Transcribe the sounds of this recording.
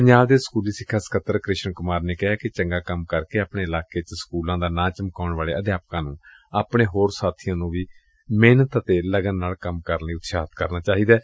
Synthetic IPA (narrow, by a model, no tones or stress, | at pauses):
pəɲd͡ʒaːbd̪eːskuːliːsɪkʰːaːsə̥kʰət̪ːəɾkɾɪʃənkʊmaːɾneːkɪɦaːkɪt͡ʃəŋɡaːkəmkəɾkeːaːpɳeːɪlaːkeːt͡ʃəskuːlãːd̪aːnãːt͡ʃəmkaːɳʋaːleːəd̪jaːp̚kãːnũː | aːpɳeːɦoːɾsaːt̪ʰijãːnũːʋiː | meːnət̪ət̪eːləɡənːaːlkəmkəɾniːʊt̪saːt̪kəɾnaːt͡ʃaːɦiːd̪aː